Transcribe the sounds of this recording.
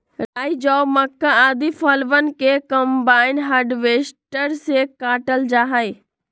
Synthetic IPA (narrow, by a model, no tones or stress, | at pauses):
ɾaːid͡ʒɔːbmɐkːaaːd̪ifɐlʋənɪ̆kekɐmbaːɪnɦaːɾɖʋeːsʈəɾsekaːʈəld͡ʒaːɦai